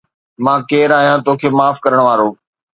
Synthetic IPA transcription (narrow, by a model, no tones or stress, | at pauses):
mãːkeːɾaːɦijãːt̪oːkʰeːmaːfkəɾəɽ̃ʋaːɾoː